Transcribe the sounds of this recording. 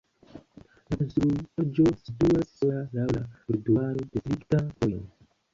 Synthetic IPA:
lasɾuad͡ʒo̞situasalawlaɾuduaɾo̞d̥esɾiktakojo̰n

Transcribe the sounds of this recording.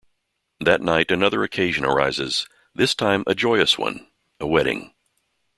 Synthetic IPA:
ðɨtⁿnaɪɾɨnʌðə˞ɨkʰeɪʒɨ̃nə̰˞a̰ɪzɪz̥ | ðɪstʰãɪ̃mʔɨd͡ʒɔɪɨswʌ̰̃n | əwɛɾɪ̰̃ŋ

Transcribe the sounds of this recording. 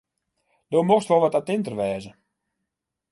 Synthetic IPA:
d̥oːmoxstʋolˠʋɔtatɪntərʋɛːzə

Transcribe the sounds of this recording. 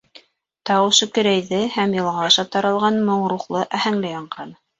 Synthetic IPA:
t̪ɑwɤ̆ʃɵ̆kɘ̆ɾæjðɘhæmjɤ̆lˠʁɑːʃɑt̪ɑɾɑ̆lˠʁɑnmŏɴɾuχlˠɤʔæhæŋlɘjɑɴɢɑn

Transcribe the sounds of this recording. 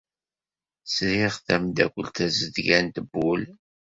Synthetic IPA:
sɾiʁθæmd̪ækʷəlt̪æzəðʝænt̪əbːul

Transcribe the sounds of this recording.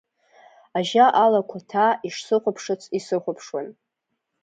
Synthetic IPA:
aʒaʔalakʷʰatʰaiʂsɨχʷʊpʰʂɨt͡sʰisɨχʷʊpʰʂwan

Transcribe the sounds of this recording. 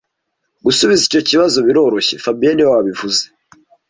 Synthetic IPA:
ɡusuβizico̞ciβazo̞βiɾo̞ːɾo̞çefabieniewwaβivuze̥

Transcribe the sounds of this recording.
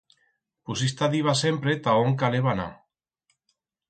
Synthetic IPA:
pusist̪aðiβasempɾet̪aoŋkaleβana̰

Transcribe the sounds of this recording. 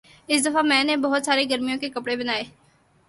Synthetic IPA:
ɪsd̪əfamɛ̃ːnebəɦʊt̪saːɾeɡəɾmijõkekəpɽebənaːeː

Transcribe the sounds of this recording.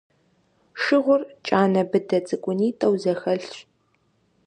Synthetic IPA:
ʂɨʁʷʊrt͡ʃʼaːnɐbɨdɐt͡sʼɨkʷʼʊniːtʰʼɐwzɐxɐɬɕ

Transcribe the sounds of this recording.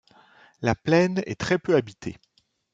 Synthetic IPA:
laplɛnɛ̰t̪χɛpøabit̪ʰḛ

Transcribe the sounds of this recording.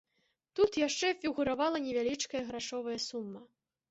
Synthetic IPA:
t̪ut̪jaʂt͡ʂɛfʲiɣuɾavalˠɐnʲɛvʲalʲit͡ʂkɐjɐɣɾaʂɔvɐjɐsumːɐ

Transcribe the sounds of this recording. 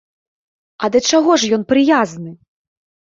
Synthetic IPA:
ɐd̪ɐt͡ʂaɣɔʂjɔnpɾɨjaznɨ

